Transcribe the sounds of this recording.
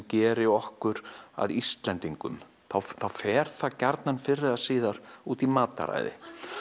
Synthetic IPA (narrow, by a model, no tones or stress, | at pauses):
cɛːɾɪɔhkʏɾa̰ðist̪lɛnt̪iŋkʏm | θawθawfɛːɾ̥θacaɾt̪nanfɪɾːɪðasiːðaɾ̥uːt̪imaːt̪a̰ɾa̰jðɪ̰